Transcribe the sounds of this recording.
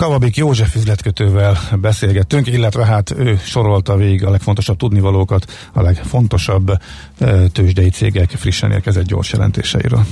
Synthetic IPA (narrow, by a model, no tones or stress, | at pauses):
kɒvɒbikjoːʒɛfyzlɛt̪køt̪øːvɛlbɛseːlɡɛt̪ːyŋkilːɛt̪ʋɛɦaːt̪øːʃo̞ɾo̞lt̪ɒveːɡiɡɒlɛkfont̪o̞ʃɒb̚t̪ud̪nivɒloːkɒt̪ | ɒlɛkfo̞n̪t̪o̞ʃɒbː | t̪øːʒd̪ɛjit̪sḛːɡɛkfriʃːɛ̰nḛːlkɛzɛd̪ɟo̞̰rʃjɛ̰lɛ̰nt̪ḛːʃɛ̰jḭɾø̰ːl